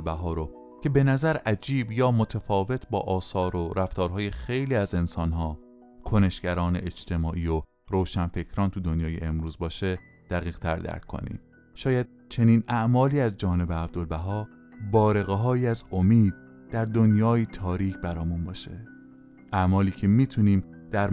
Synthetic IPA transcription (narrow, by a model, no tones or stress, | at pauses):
lbæɦɒːɾo | cʰe̞be̞næzæɾʔæd͡ʒiːbjɒːmo̞t̪ʰefɒːve̞t̪ʰbɒ̰ːʔɒːsɒːɾoɾæft̪ɒːɾɦɒːje̞xejliːæze̞nsɒnɦɒː | kʰo̞ne̞ʃɡæɾɒːnḛʔet͡ʃt̪ʰe̞mɒːʔiːo | ɾoːʃænfe̞cʰɾɒːnt̪ʰud̪o̞njɒːje̞̰ʔemɾuːzbɒːʃe̞ | d̪̥æɣiːɣ̥t̪ʰæɾd̪æ̰ɾkʰːo̰nḭːm | ʃɒːjæd̪̥̚ | t͡ʃʰe̞niːnæʔmɒːliːæzd͡ʒɒːne̞beæb̚d̪o̞lbæɦɒː | bɒːɾe̞ɣeɦɒːjiːæzo̞miːd̪̥̚ | d̪̥æɾd̪o̞njɒːiːt̪ʰɒːɾiːcʰbæɾɒːjmunbɒːʃe̞̰ | ʔæmɒːliːcʰe̞miːt̪ʰuniːmd̪̥æɾ